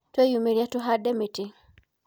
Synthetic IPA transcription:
twɛjumiɾiatuɦadɛmiti

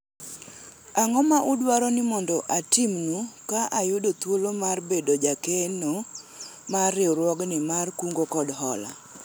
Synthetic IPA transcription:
aŋɔmaʔʊdwaɾɔnɪmɔndɔʔatɪmːukaʔajʊdot̪wolomarbedod͡ʒakeno | marɪɾwɔɡnɪmarkuŋɡokɔdɦɔla̰

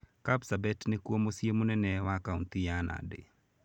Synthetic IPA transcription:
kapsabɛtnekwomosjemonɛnɛwakaunt̪ɪjanʔa̰dɪ̰

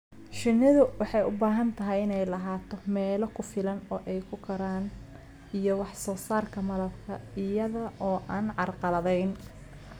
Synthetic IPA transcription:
ʃɪnːɪðʊwɑħɑjʊbaːɦɐnt̪ʰɐɦɛjɪnɛjlɐɦaːt̪ʰɔmɛːlɐkʰʊfɪlɐnɔːʔɛjkʰʊkʰɐɾaːn | ijɔwɑħsɔːsaːrkʰɐmɐlɐbkʰɐɪjɐðɐʔɔːʔaːnʕɑrqɑlɐðɛjn

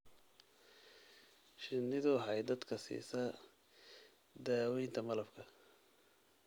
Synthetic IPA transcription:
ʃɪnːɪðʊħɑjd̪ɐd̪kʰɐsḭːsɐ | d̪aːwɛjnt̪ʰɐmɐlɐbkʰɐ

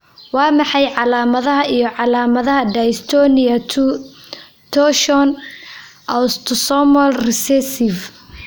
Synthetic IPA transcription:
wɑːmɑħɑjʕɑlaːmɐðɐɦɐʔijɞʕɑlaːmɐðɐɦɐd̪ɐjst̪ʰɔnɪɐ | t̪ʰɔʃɔn | ʔɐst̪ʰʊsɔmɔlrɪsɛsɪv

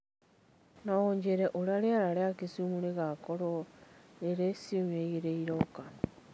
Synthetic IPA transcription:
naoɲd͡ʒeɾɛʔoɾaɾeaɾaɾeakesumuɾeɣakoɾo | eɾesioɲeɣeɾeiɾokan

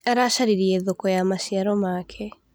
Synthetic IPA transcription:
aɾaʃaɾiɾiɛðokɔjamaʃiaɾɔmaːkʰɛ

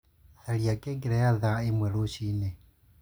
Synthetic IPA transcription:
θaɺiakʼɛɡiɾɛjaðaimwɛɺoʃiːnɛ

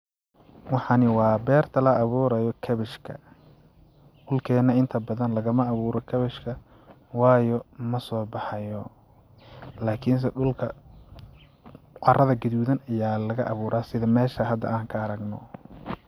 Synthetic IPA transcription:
wɑħɑnɪwɑːbɛːrt̪ʰɐlɐːβuːɾɐjɔkʰɐβɪʃkʰɐ̰ | ɗʊlkʰɛːnːɐɪnt̪ʰɐbɐðɐnlɐɣɐmɐːβuːɾɔkʰɐβɪʃkʰɐ | wɑːjɔmɐsɔːbɑħɑjɔ | laːkʰɪns̬ɛɖʊlkʰɐ | qɑrɐðɐɡɐðuːðɐnɐjaːlɐɣɐʔɐβuːɾaːsɪðɐmɛːʃɐɦɐd̪ːɐ̰ʔaːŋkʰɐːɾɐɡnɔ̰

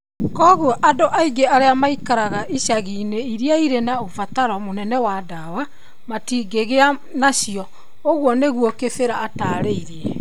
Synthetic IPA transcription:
kɔɣɔʔadoʔaiɡeaɾeamaikaɾaɣaʔiɕaɣiːneiɾiaiɾenaofataɾɔmonɛnɛwadawa | matiːɡeɣea | nasiɔ | oɣwɔneɣwɔkefeɾaːtaːɾeiɾiɛ

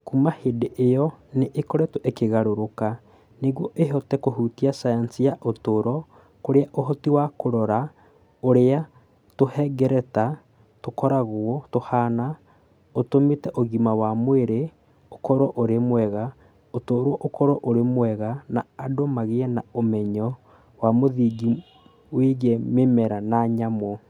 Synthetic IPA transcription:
kumahedeʔejɔneʔːkoɾɛtuʔekeɣaɾoɾoka | neɣwoʔeɦɔtɛkoɦutiasajansijaʔotoɾɔ | koɾeaʔoɦɔtiwakoɾɔɾa | oɾea | tohɛɡɛɾɛta | tokɔɾaɣoɔtohaːna | otomitɛʔoɣimawamweɾe | okɔɾɔʔoɾemwɛɣa | otoːɾwɔʔokɔɾɔʔoɾemwɛɣanaːdomaɣeɛnaomɛɲɔ | wamoðiɡi | weɣememɛɾanaɲamɔ

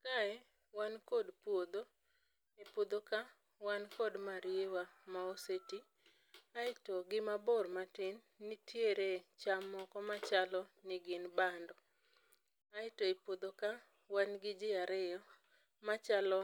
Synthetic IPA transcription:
kaɛ | wankodpwod̪o | epod̪oka | wankodmaɾɪewamaoseti | aɪtɔɡɪmabormatɪnːɪtjeɾet͡ʃamːɔkɔmat͡ʃalɔnɪɡɪnbandɔ | aɪtoepwod̪oka | wanɡɪd͡ʒɪaɾɪjɔ | mat͡ʃalɔ

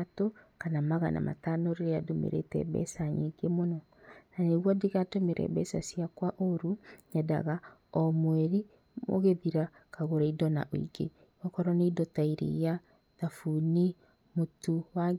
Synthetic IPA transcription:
atokanamaɣa̰na̰ma̰tanoɾeɾeadomḛɾḛtɛ̰βɛ̰saɲeɡemonɔ | naneɣwɔdiɣatomeɾʔɛ̰βɛsasjakwaʔoɾuɲada̰ɣa | ɔmwɛɾi | mo̰ɣeðiɾa | kaɣoɾaidɔnaʔoḭɡe | ɔkɔɾɔneidɔtaiɾḛja | ðafuni | motuwa

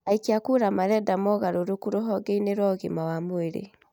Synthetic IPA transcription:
aikiakuɾamaɾɛdamɔɣaɾoɾokuɾoɦɔɡeineɾɔɣḛmawamoeɾḛ

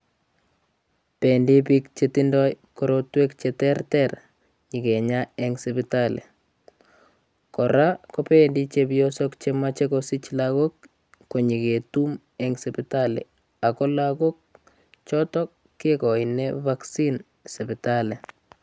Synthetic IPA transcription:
pɛndipik̚t͡ʃetindɔjkoɾotwekt͡ʃɛtɛrtɛɾ | ɲikeɲaɛŋsipɪtalḛ | kɔɾakopendit͡ʃepjɔsɔkt͡ʃemat͡ʃekosit͡ʃlakokː | oɲiketum | ɛŋsɛpitalḛ | akɔlakok̚ | t͡ʃɔtɔkːekɔinevaksin | sɛpɪtale

